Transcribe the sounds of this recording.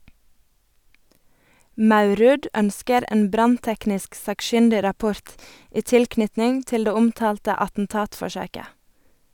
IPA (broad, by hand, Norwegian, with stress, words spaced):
ˈmɑʉˌɾʉːd ˈœnskəɾ ˈeːn ˈbɾɑnˌtɛknɪsk sɑːkˈʃʏndɪɾɑˌpʊɾt ˈiː ˈtɪlˌknʏtnɪŋ ˈtɪl ˈdeː ˈʊmˌtɑːltə ɑtn̩ˈtɑːtfɔˌʃøːkə